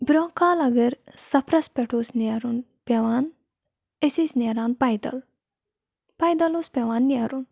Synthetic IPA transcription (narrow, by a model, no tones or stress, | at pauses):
bɾoːkaːlɐɡɐɾsɐpʰɾɐspʲeʈʰoːsnaɾun | pʲeʋaːn | esisnʲeɾaːnpɐjd̪ɐ̰l | pɐjd̪ɐlospʲeʋaːnːiaɾun